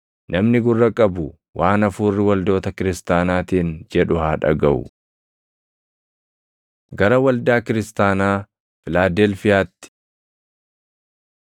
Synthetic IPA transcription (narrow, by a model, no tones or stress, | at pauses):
nʔɐmnɪɡʊrːɐkʼɐbʊ | wʔaːnɐfuːrːɪwɐld̪o̞ːt̪ɐkɪɾɪst̪aːnaːt̪iːnd͡ʒɛᶑʊhaːᶑɐ̰ɡɐʔʊ̰ | ɡɐɾɐwɐld̪aːkɪɾɪst̪aːnaː | fɪlaːd̪eːlfɪjaːt̪ːɪ̥